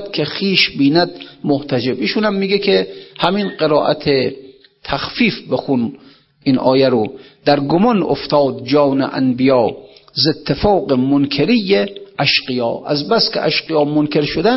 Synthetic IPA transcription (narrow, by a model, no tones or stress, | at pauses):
d̪kʲʰexiːʃbiːnæd̪moht̪ʰæd͡ʒebiːʃunhæmːiːɡekʲʰehæminqeɾɒːʔæ̰t̪ʰe | t̪ʰæxfiːfbexun | ʔinʔɒ̰ːjæɾod̪æɾɡomɒno̰ft̪ɒːd̪̚d͡ʒɒːnḛʔæ̰nbijɒːzet̪ʰːefɒːɢemonkʰeɾijeʔæʃqijɒ̰ːʔæ̰zbæskʰḛʔæʃqijɒːmonkʰʲe̞ɾʃod̪æn